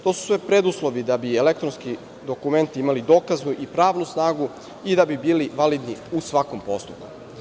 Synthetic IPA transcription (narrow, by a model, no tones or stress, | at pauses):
t̪osu̥sʋepɾed̪uslˠo̞ʋid̪abielekt̪ɾonski | d̪o̞kume̞nt̪iimalid̪o̞ːkaznuʔipɾaːʋnusnaːɡu | id̪abibiːliʋalid̪niusʋakompo̞st̪up̚ku̥